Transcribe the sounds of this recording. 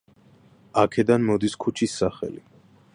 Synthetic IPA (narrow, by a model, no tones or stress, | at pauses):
akʰɛd̪anmɔd̪iskʰut͡ʃʰisːaχɛ̰li